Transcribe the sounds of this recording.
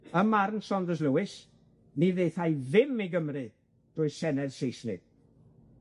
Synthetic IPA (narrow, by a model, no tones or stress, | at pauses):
əmarnsɔndəzləwɪs | niðejθajðɪmiɡəmrɨ | d̥ʊːɨsɛnɛðsejsnɨ̰ɡ̥